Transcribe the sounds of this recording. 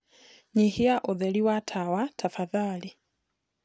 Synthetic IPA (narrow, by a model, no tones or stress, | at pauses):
ɲihiaʔɔðɛliwatʰawatʰafaðaːli